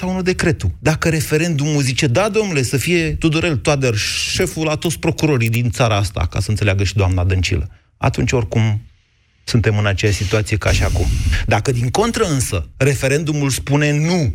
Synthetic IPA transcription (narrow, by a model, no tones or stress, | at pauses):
saunud̪e̞kɾe̞t̪ud̪akəɾe̞fe̞ɾe̞nd̪umuzit͡ʃe̞d̪ad̪o̞mnule̞səfije̞t̪ud̪uɾe̞lt̪oat̪̚d̪erʃe̞fulat̪ot̪sʲpɾo̞kuɾo̞ɾid̪int̪saɾaast̪a̰ka̰sənt̪seleaɡəʃid̪oamnad̪ɨnt͡ʃḭlə | a̰t̪unt͡ʃʲo̞rʲkum | sunt̪e̞mɨnat͡ʃejaʃsit̪uat̪sije̞kaʃiakumd̪akəd̪iŋko̞nt̪ɾəɨnsəre̞fe̞ɾe̞nd̪umulspune̞nu